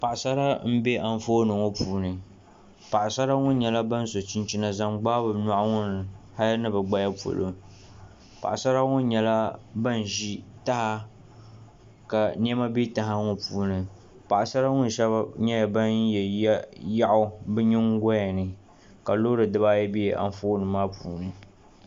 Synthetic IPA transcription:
pa˨ʔsa˦ɾa˦m̩˦be˦ʔa˨ɱ̩˦fo˦nɨ˨ŋo˦puː˦nɨ˨ | pa˨ʔa˨sa˦ɾa˦ŋʊ˦n˦ɲɛ˨la˦ba˦n˦so˨t͡ʃi˦n˦t͡ʃi˦na˨za˦ŋ͡mɡ͡baː˦bɨ˨na˦ʔŋʊ˦nɨ˨ | ha˦lnɨ˦bɨ˨ɡ͡ba˦ja˦po̰˨lo̰˨ | pa̰˨ʔa˨sa˦ɾa˦ŋʊ˦n˦ɲɛ˨la˦ba˦n˨ʒi˦ta˦ha˦ | ka˨ni˦ɛ˦ma˦bi˦ta˨ɦa˦ŋʊ˨puː˦nɨ˨ | pa˨ʔa˨sa˦ɾa˦ŋʊ˦n˨ʃɛ˦ba˦ɲɛ˦ja˨ba˦njɛ˨ja˦ʔʊ˦bɨ˦ɲɪ˦ŋ˦ɡa˦ja˨nɨ˨ | ka˨lo˦ɾɨ˨dɨ˦ba˦jɛ˦bi˦˨ʔa̰˨n˦foː˦nɨ˨maː˦puː˨nɨ˨

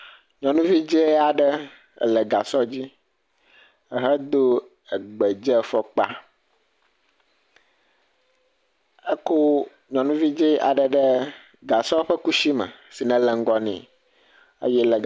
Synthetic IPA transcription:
ɲɔ̃˨nũ˦vi˦d͡ʒe˦a˨ɖə˦˨ | lɛ˨ɡa˨sɔ˦d͡ʑi˦ | ə˨ɦɛ˦d̪o˦ | ə˨ɡ͡bɛ˨d͡ʒɛ˦fɔ˦k͡pa̰˦ | ə˦ko˦ | ɲɔ̃˨nũ˦vi˦d͡ʒe˦ʔa̰˨ɖə˨ɖə˦ | ɡa˨sɔ˦ɸə˦ku˦ʃi˦mə̰̃˨si˨nɛ̃˨lɛ˨ŋ̩˦ɡɔ˦nḭ̃˨ | ə̰˦jɛ˦lɛ˨

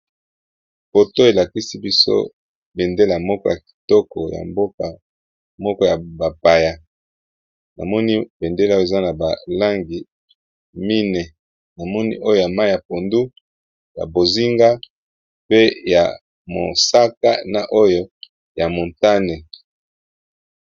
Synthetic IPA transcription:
fo˨to˦e˨la˨ki˦si˦bi˦so̰˦ | be˨nde˦la˨mɔ˦kɔ˦ja˨ki̥˨tɔ˦kɔ̰˨ja̰˨mbo˦ka˨ | mɔ˦kɔ˦ja˨ba˨pa˨ja˨ | na̰˨mɔ˦ni˦be˨nde˦la˦o˦e˨za˦na˨ba˨la˦ŋɡi˨ | mi˦nɛ˨ | na˨mɔ˦nḭ˦ʔo˦jo˦˨ja˨ma˦ja˨po˨ndu˦ | ja̰˨bo˨zi˦ŋɡa˦ | pe˦ja˨ | mo̰˨sa˦ka̰˦na˨ʔo˦jo˦ | ja˨mo˨nta˦ne˨

